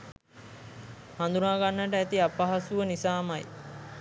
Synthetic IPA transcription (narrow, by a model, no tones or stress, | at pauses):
hand̪unaːɡanːəʈəæt̪iapaɦasuʋənisaːmaj